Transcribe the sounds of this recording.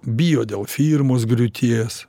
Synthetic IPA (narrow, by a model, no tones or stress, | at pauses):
bʲɪjoːd̪ʲeːlˠfʲiɾmoːsɡɾʲʊt̪ʲʰiːs